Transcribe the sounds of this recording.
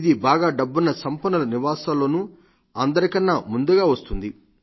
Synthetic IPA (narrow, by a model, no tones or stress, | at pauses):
d̪ibaːɡaːɖɐbːunːɐsɐmpɐnɐlɐniʋaːsaːlːo̞ːnu | ɐnd̪ɐɾikɐnːamund̪uɡaːʋɐst̪und̪i